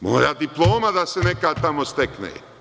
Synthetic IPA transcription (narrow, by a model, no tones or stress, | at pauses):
mo̰ːjad̪iplˠoːmad̪asenekad̪̚t̪amost̪eknḛː